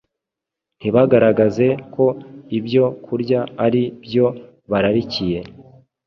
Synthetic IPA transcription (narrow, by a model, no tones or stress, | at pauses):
n̥iβaɡaɾaɡaze̞kʰo̞ibjo̞kʰuɾɟaːɾibjo̞ | βaɾaɾicije̞